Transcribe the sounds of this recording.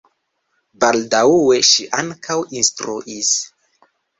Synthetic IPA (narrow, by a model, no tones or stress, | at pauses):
baldauweʃiʔaŋkʰawinstɾṵʔis